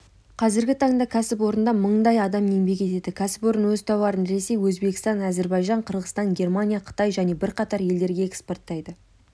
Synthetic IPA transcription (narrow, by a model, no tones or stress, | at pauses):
qʰɑzɪɾɡʲɪt̪ʰɑɴd̪ɑkʲʰæsɪpwo̞ɾənd̪ɑməɴd̪ɑjɑd̪ɑme̞ŋbe̞kʲe̞t̪e̞d̪ɪkʲʰæsɪ̥po̞ɾənwɵzt̪ʰɑwɑɾənɾe̞se̞jwɵzbe̞kʲɪ̥st̪ɑnæze̞ɾbɑjʒɑɴqʰəɾʁəst̪ɑnɡʲe̞rmanʲijaqʰə̥t̪ɑjʒæne̞bɪɾqɑt̪ɑɾje̞ld̪e̞ɾɡʲe̞ekspo̞rt̪ːɑjd̪ə